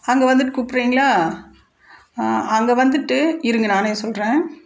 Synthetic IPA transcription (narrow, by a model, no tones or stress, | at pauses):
ɐŋɡɐʋɐnd̪ɯʈːɯkupːɾiːŋɡɐɭaː | ɐŋɡɐʋɐnd̪ɯʈːɯɪɾɯŋɡɐnaːneːsɔlɾẽː